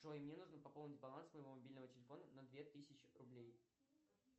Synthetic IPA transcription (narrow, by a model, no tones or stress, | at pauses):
ʂoimnʲenuʐnəpɐponʲɪtʲbɐlˠansməjɪvo̞mɐbʲilʲnəvətʲɪlʲɪfo̞nənɐd̪vʲet̪ɨsʲɪt͡ɕɪrʊblʲej